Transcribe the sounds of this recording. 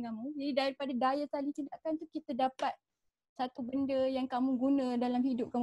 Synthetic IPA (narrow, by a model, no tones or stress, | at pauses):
ŋamũd͡ʒadidaɾipadadajasalit̪indaʔkant̪ukit̪adapat̪̚ | sat̪ubəndəjaŋkamũɡunãdalamhidʊp̚kamu